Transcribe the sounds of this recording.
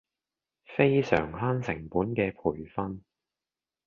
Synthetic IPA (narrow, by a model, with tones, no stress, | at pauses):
fe˥jsœ̰ː˨˩ŋhaː˥nsɪ˨˩ŋpuː˨˥nkɛː˧pʰuː˨˩jfɐ˥n